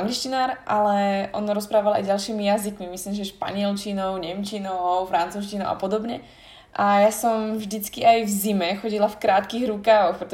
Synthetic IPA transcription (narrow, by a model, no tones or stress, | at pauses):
aŋɡliʃcinaːɾʔalɛʔɔ̰nɾɔspɾaːʋala̰jɟalʃiːmijazikmimisliːmʒɛʃpa̰ɲɪɛlt͡ʃinɔʊɲɛmt͡ʃinɔʊfɾant͡suːʃcinɔʊʔa̰pɔd̪ɔbɲɛ | ʔajasɔmvʒd̪it͡skiajvzimɛxɔɟilafkɾaːt̪kiːɣɾukaːxpɾɛt̪